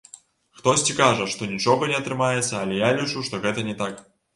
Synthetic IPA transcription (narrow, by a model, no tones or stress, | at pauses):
xt̪osʲtʲikaʐɛʂt̪onʲit͡ʃoɣɐnʲɛɐt̪ɾɨmajɪt̪sːɐːlʲɛjalʲit͡ʂuʂt̪oɣɛt̪ənʲɛt̪ak